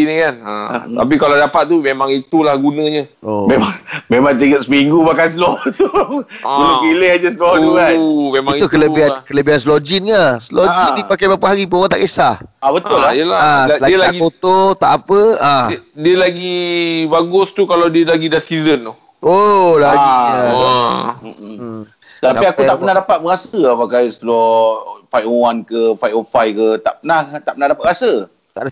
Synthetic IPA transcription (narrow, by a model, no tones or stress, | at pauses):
inikana̰t̪a̰p̬ikaladapat̪̚t̪ːumẽmaŋit̪ulahɡunə̃ɲəomemaŋmemãŋt̪əɡət̪̚səmiŋɡubakans̬əlɔht̪uɡunəpilehad͡ʒəsəlɔuajmẽmãŋukələbiɦankələbiɦanslod͡ʒinɲasəlod͡ʒindipakajbapaɦaɾipoŋɔnt̪a̰ʔkesahabət̪ʊlaijəlaalaɡilaaɡikot̪ot̪aʔapəãdiəlaɡibaɡʊst̪ukalawdiəlaɡidasizənt̪u | olaɡi | at̪iakuapənahdapat̪̚bəɣasəapakajsəlɔfajowankəfajofajkət̪a̰ʔpənaht̪aʔpənahdapat̪̚ɣasə | t̪a̰da